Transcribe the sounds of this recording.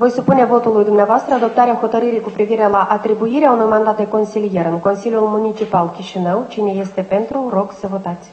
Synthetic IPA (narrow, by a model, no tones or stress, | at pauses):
vo̞jsupune̞vo̞t̪ulujd̪umneavoast̪ɾəad̪o̞p̚t̪aɾeaxo̞t̪əɾɨɾijkupɾiviɾe̞laʔat̪ɾibuiɾeaunujmand̪at̪̚d̪e̞ko̞nsilije̞ɾɨŋko̞nsilʲjulmunit͡ʃipalkʲiʃinəwt͡ʃine̞je̞st̪e̞pe̞nt̪ɾuro̞ɡsəvo̞t̪at̪sʲ